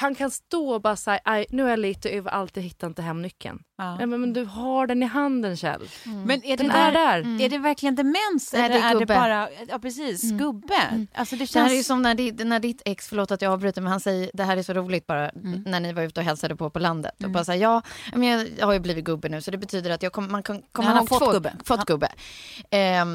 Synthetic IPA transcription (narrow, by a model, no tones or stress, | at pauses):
hankʰanst̪oːbɑːɾasæɾʔajnʉ̟ːæɾjaliːt̪ɔɛvaʔalt̪ʰiːd̪ɦɪt̪ːaɛnt̪ɪɦɛmnʏkʰːə̰njɑːmɛmɛnd̪ɵɦaɖɛnɪɦand̪ənɕɛ̰lmɛnæd̪ɛnæɖæɾæɖɛvæɾklɪɡənd̪ɛmɛnsɛlːɛɡɵɖɛbːəɑːɾajɑːpʰɾɛsiːsɡɵbːəʔa̰lsɔd̪ɛɛhːɾɛɾjsɔmnæɖɪnæɖɪt̪ʰːɛksfœɭoːt̪at̪jɑɑːvbɾʉ̟ːt̪aɾmɛnhansɛjːəd̪ɛɦæːɾæjsɔɾuːlɪɡ̚t̪̚bɑːɾanæɳɪvaɾʉ̟ːt̪əɔɦɛlsad̪əpʰɔpɔland̪ə̰t̪ɔbɑːɾasajɑːjɑ̰ːmɛnjɑhaɾjɵbliːvɪt̪̚ɡɵbːənʉ̟ːsɔd̪ɛbɛt̪ʰyːd̪əɾat̪jɑːkʰɔmːəmankʰankʰɔmːəlabːfɔt̪ːɡ̥ɵbːə̰